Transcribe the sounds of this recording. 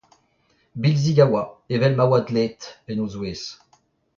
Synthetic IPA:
bilziɡawaevɛlmawad̪let̪venozweːs

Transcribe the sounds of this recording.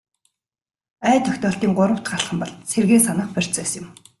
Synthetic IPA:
æːt̪ʰœxʲt̪ɔːɬt̪iːŋɢʊɾə̆w̥t̪ɢaɮχə̆mpɔɮserɣeːsanə̆χpœr̥ʲt͡sœːsɪ̆m

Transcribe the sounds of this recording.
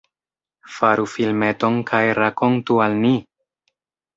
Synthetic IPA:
faɾʔufilme̞to̞nkʰajɾako̞ntualmi

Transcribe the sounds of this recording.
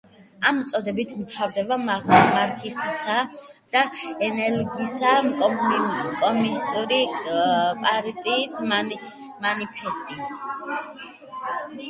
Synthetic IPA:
amt̪sʼɔd̪ɛbit̪ʰmt̪ʰavd̪ɛbamamaɾkʰisisad̪̥aɛnɛɾɡisa | kʼɔmunist̪ʼuɾi | pʼaɾt̪ʼiːs | manipʰɛst̪ʼi

